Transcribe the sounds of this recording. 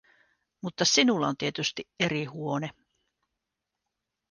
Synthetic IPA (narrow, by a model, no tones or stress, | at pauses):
mut̪ːɑsinulːɑont̪iet̪yst̪ie̞ɾihuo̞ne